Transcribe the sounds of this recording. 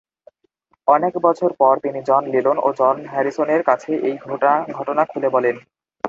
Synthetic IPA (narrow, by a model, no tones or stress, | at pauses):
ɔnekbɔt͡ɕʰoɾpɔɾt̪inid͡ʑɔnlilonʔo̰d͡ʑɔnɦɛɾisoneɾkat͡ɕʰeʔejɡʱoʈaɡʱɔʈonakʰulebɔlen